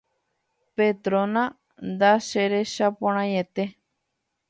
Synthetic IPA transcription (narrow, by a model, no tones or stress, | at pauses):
pet̪ɾonã | nd̪aʃeɾeʃapoɾ̃ãjet̪e